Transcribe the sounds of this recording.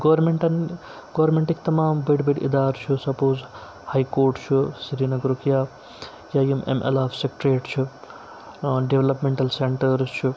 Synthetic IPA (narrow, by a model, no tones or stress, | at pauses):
ɡɐʋɐɾmeɳʈɐn | ɡɐʋɾmẽɳʈikt̪ɐmaːmbɐɖbɐɖɪ̰d̪aːɾt͡ʃʰusɐpoːz | haːjkoːɾʈt͡ʃʰusiɾiːnɐɡɾukjaː | jaːjumḛmḛlaːfsekʈɾeːʈt͡ʃʰu | ɖeʋlɐpmẽɳʈɐlseɳʈɐɾt͡ʃʰu